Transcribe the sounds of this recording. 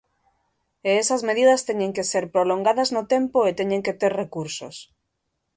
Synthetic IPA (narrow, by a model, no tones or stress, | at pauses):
eesazmeð̞iðast̪eɲẽŋkeseɾpɾoloŋɡaðaznot̪empoet̪eɲẽŋket̪eɾrekuɾso̰s